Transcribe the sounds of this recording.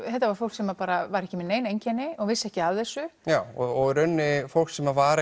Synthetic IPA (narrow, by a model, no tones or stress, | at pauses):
θɛht̪avaɾ̥fowl̥ksɛmːapaːɾavaɾɛhcɪmɛneːjnejɲcɛnːɪɔɣvɪsːɛhcɪaðθɛsːʏjaːwɔɔɣɾʏnːɪfowl̥ksɛmːavaːɾ